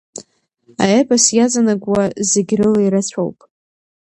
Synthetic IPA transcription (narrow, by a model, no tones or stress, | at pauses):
a̰ebʼasjazanaɡʷwazeɡʲrɨlaiɾɨt͡ɕʷʰo̰wpʼ